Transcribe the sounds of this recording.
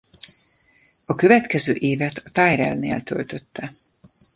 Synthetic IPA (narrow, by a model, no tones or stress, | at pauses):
ɒkø̞vɛt̪kɛzøːʔeːvɛt̪ʰɒt̪aːjɾɛ̰lnḛːlt̪ø̞̰lt̪ø̞t̪ːɛ